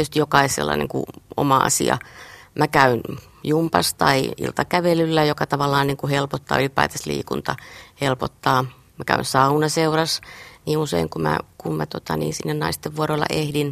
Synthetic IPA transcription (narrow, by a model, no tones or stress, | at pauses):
yst̪ijokɑissḛlːɑ̰nḛŋkṵo̰mɑɑ̰sḭɑ̰mækæyn | jumpɑst̪ɑiḭlt̪ɑkæʋelylːæjokɑt̪ɑʋɑlːˑɑːnniːŋkuhelpot̪ːɑ̰ːylipɑit̪ɑslḭːkunt̪ɑhelpot̪ːɑː | mækæ̰ynsɑunɑseurɑsniːusḛiŋkumæ̰kummæt̪ot̪ɑniːnsinːennɑist̪ːeʋʋuoɾolːɑ̰ʔehdin